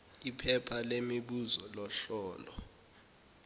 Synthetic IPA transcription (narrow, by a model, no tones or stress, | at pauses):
ipʰɛpʰalemiɓuzɔlɔɬɔːlɔ